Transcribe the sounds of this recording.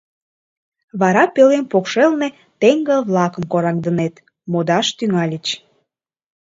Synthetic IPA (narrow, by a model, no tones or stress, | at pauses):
βɑɾɑpelenpokʃelne | t̪eŋɡəlβlɑkəmkoɾɑŋd̪ənet̪ | mod̪ɑʃt̪yŋɑlʲit͡ɕ